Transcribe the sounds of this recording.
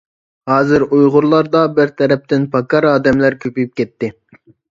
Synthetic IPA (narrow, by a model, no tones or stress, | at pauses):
hɑːzɪɾujʁʊɾlˠɑɾd̪ɑbɪɾt̪ʰɛɾɛp̚t̪ɪnpʰɑkɑɾɑːd̪ɛmlæɾkʲʰøpyjyp̚kʲʰɛt̪ːɪ